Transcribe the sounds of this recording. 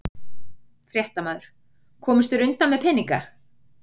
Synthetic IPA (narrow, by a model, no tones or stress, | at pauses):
fɾjɛht̪amaːðʏɾ̥ | kʰɔːmɪst̪ʏɾʏnt̪anmɛðpʰɛnːiŋka